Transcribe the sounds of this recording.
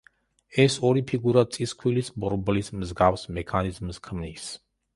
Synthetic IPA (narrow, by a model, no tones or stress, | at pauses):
ɛsɔɾipʰiɡuɾat̪sʼiskʰwilisbɔɾblismzɡafsmɛkʰanizmskʰmnis